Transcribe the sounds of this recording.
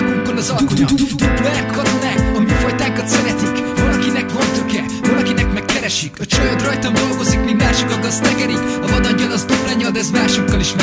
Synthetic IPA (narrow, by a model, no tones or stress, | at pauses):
konɒzɒlkoɒkuɛrkɒt̪o̞naːkɒmifojt̪aːŋkɒt̪sɛɾɛt̪ikvɒlɒkinɛkvɒnt̪økɛ | vɒlɒkinɛkmɛkːɛɾɛʃikɒt͡ʃɒjot̪rɒjt̪ɒmd̪o̞lɡo̞zikmind̪maːrʃokɒɡɒzt̪ɛɡɛɾikɒvɒd̪ɒɲːɒlɒzuplaɲːɒld̪ɛzmaːrʃokːɒliʃn